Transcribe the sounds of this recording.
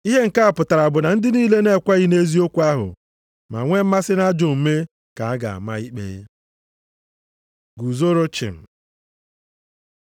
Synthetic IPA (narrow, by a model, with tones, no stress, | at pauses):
i˦ɦe˦ŋ̩˨ka˦a˨pʊ˨ta˨ɾa˨bʊ˨na˨n̩˦dɪ˦niː˦le˦ne˦˨kʷa˦ɣɪ˦ne˦zi˦o˦kʷu˦a˦ɦʊ̰˨ | ma̰˨ŋʷe˦m̩˦ma˦sɪ˦na˦d͡ʒo˨m̩˨me˦ | ka˨a˦ɡa̰˨a̰˨ma˦i˦k͡pḛ˦ | ɡu˨zo˦ɾo˦t͡ʃɪ̰˨m̩˨